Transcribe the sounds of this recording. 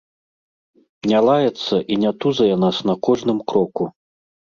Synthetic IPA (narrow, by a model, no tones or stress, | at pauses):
nʲalˠajɛt̪sːɐʔinʲat̪uzɐjɛnasnɐkɔʐnɨmkɾɔku